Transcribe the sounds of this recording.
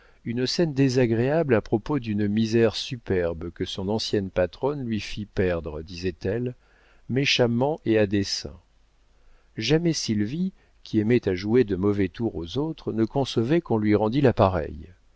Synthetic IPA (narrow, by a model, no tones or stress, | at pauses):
ynsɛnd̪ezaɡʁeablapχɔpod̪ynmizɛʁsypɛʁbkəsɔ̃nɑ̃sjɛnpat̪χɔnlɥifipɛʁd̪ʁəd̪izɛt̪ɛl | meʃamɑ̃ʔead̪esɛ̰̃ | ʒamɛsilvi | kʲʰiɛmɛt̪aʒued̪əmɔvɛt̪uʁozot̪χnəkɔ̃səvɛkɔ̃lɥiʁɑ̃d̪ilapaʁɛ̰j